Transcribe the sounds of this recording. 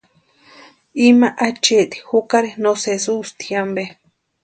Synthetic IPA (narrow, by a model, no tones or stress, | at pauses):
imaʔat͡ʃeʔt̪i̥hukaɾinosesust̪iambe